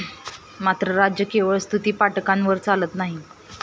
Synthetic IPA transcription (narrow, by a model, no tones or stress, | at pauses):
mat̪ɾəɾad͡ʑjəkeʋəɭst̪ʰut̪iːpaʈkanʋəɾt͡salət̪naɦi